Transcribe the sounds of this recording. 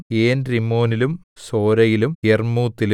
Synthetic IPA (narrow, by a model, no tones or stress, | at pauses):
eːnrimo̞ːnilum | so̞ːɾɐjilumermuːt̪ːil